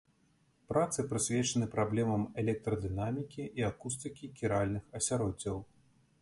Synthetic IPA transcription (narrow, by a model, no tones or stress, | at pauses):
pɾat̪sɨpɾɨsʲvʲɛt͡ʂɐnɨpɾablʲɛmɐmɛlʲɛk̚t̪ɾɐd̪ɨnamʲikʲiʔiakust̪ɨkʲikʲiɾalʲnɨxɐsʲaɾɔd͡zʲːɐw